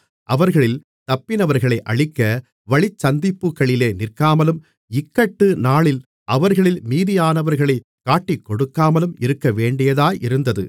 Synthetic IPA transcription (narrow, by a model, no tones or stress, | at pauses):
ʔɐʋɐɾɣɐɭɪl | t̪ɐpːɪnɐʋɐɾɣɐɭɐɪʔɐɭɪkːɐ | ʋɐɭɪt͡ʃːɐnd̪ɪpːɯkːɐɭɪleːnɪrkaːmɐlɯm | ɪkːɐʈːɯnaːɭɪl | ʔɐʋɐɾɣɐɭɪlmiːðɪjaːnɐʋɐɾɣɐɭɐɪ | kːaːʈːɪkːɔɽɯkːaːmɐlɯmɪɾɯkːɐʋeːɳɖɪjɐðaːʔɪɾɯnd̪ɐðɯ̰